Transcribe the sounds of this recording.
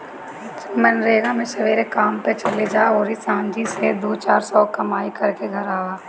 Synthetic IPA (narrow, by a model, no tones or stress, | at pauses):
mɐnɾeːɡamẽʃɐʋeːɾekaːmpet͡ʃɐled͡ʒaːoːɾisãːnd͡ʒised̪oːt͡ʃaːɾsɔːkɐmaːikɐɾkeɡʱɐɾaːaː